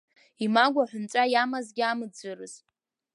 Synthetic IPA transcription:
imaɡʷaħʷʊnt͡ʃʷʼajamazɡʲamɨd͡zɨrɨz

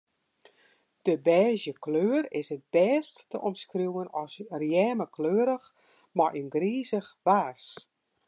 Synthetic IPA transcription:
d̥əbɛːzjəkløːərɪsət̚b̥ɛːstːəʔɔmskrjuwənɔsrjɛːməkløːəɾəx | marʔinɡriːzəxʋaːs

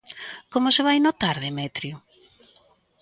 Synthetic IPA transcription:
komʊseβajnot̪aɾðemɛt̪ɾju

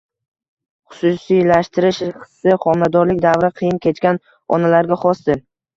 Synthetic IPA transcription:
χʊ̥sʊsijlaʃt̪ʰɪɾɪʃχɨ̥sːɪχɒmnad̪ɒɾlɪk̚ʲd̪avɾɪqʰɨjɪnkʲʰet͡ʃkʲan | ɒ̰nalaɾɡʲaχɒsd̪ɪ

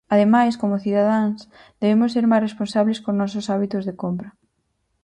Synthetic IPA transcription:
aðemajskomoθiðaðaŋs | d̪eβemʊsːeɾmajsresponsaβleskonɔs̬osaβit̪ʊzðekompɾɐ

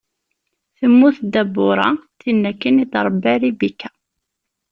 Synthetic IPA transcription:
θəmːuθd̪æbːʊɾˤɑ̰θinːækːənid̪ɾˤbːæɾibikːæ̥

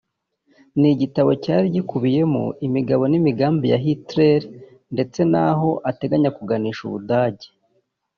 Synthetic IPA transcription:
niɟitaβo̞caːɾiɟikuβije̞mṵimiɡaβo̞nimiɡaːmbijaɦitɾeɾi | nde̞t͡se̞naɦo̞ʔate̞ɡaɲakuɡaniːʃṵβudaːɟe

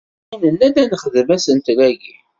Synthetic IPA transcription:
inənːæd̪ænəχðəvæsənt̪læɡi

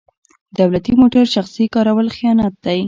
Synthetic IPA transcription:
d̪awlat̪imoʈaɾʃaxsikɑɾawəlxijɑnɑt̪̚d̪aj

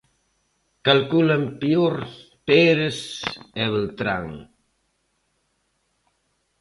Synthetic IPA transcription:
kalkulampioɾ | peɾesɛβəlt̪ɾa̰ŋ

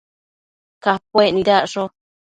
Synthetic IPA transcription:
kap̚oenĩðaʔʂo

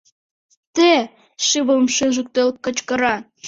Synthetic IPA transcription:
t̪e | ʃɨβələmʃøʒə̆k̚t̪elkə̆t͡ɕkə̆ɾɑ

